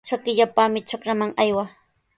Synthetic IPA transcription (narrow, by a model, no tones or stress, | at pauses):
t͡ʃokɪʎapamɪt͡ʃokɾamaŋajwa